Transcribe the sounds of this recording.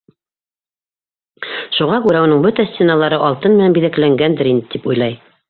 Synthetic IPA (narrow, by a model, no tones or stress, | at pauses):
ʃuʁɑkʉɾæŭnɤɴbɵt̪æsʲt̪ʲenɑlˠɑɾɤʔɑlˠt̪ɤnmɘ̆ænbiðæklæŋɡænd̪ɘɾind̪ɘt̪ʰipujlˠɑj